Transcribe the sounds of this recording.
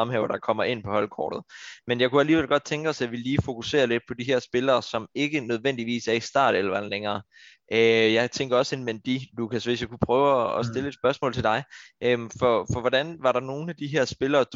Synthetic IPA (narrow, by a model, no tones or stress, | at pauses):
ɑmhɛʊɐd̥ɑ̈kʰɒ̽m̰ɐe̝n̰pʰɒ̽hɒ̽lkʰɒ̰ːd̥ð̩ˠmenjɑ̈ɪkuæliːʋel̰ɡ̥ɒ̽d̥̚t͡sʰeŋɡ̥ɒ̽sjɑ̈ɪʋe̝lliːfo̝kuse̝̰ːɐle̝d̥̚pʰɒ̽d̥iɦæɐ̰sb̥e̝lɐːsɒ̽me̝ɡ̥ənøð̞ˠʋen̰d̥iʋḭːsæɐisd̥ɑ̰̈ːd̥̩ˠelɐʋɑd̥nleŋɐː | ʔøjɑ̈ɪt͡sʰeŋɡ̥ɐɒ̽se̝nmend̥ilukʰæsʋe̝sjakʰupʰʁœːʊɒɒ̽sd̥e̝ləe̝d̥sb̥ɶɐsmɔ̰lt͡sʰeld̥ɑ̈ɪʔømfɒfɒ̽ʋɒd̥ænʋɑ̈ɾɑ̈no̝ːn̩æd̥iɦæɐ̰sb̥e̝lɐːd̥